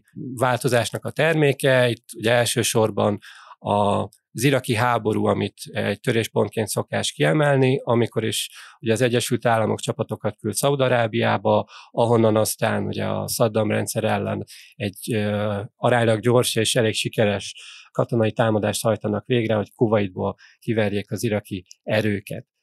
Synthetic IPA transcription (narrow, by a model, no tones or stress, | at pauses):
vaːlt̪o̞zaːʃnɒkɒt̪ɛrmeːkɛit̪ːuɟɛɛlʃøːʃo̞rbɒnɒ | ziɾɒkiɦaːbo̞ɾṵːɒmit̪ɟt̪ø̞ɾeːʃpo̞nt̪keːnt̪so̞kaːʃt̪kiɛmɛlniɒmiko̞ɾiʃuɟɛɒzɛɟːɛʃylt̪aːlːɒmo̞̰kt͡ʃɒpɒt̪o̞kɒt̪kylt̪sɒud̪ɒɾaːbijaːbɒɒɦo̞nːɒnɒst̪aːnṵɟɛ̰ɒ̰sɒd̪ːɒmrɛ̰nt̪sɛɾɛlːɛ̰nɛɟːøɒɾaːɲlɒɡɟo̞rʃeːʃɛleːkʃikɛɾɛʃkɒt̪o̞nɒjit̪aːmɒd̪aːʃt̪hɒjt̪ɒnɒkʋeːɡrɛho̞ckuvɒjid̪̚boːl | kivɛrjeːkɒziɾɒkiɛɾøːkɛ̰t̪